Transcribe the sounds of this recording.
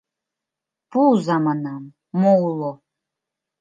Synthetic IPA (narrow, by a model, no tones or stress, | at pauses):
puzamanamː | ɔlˠɔ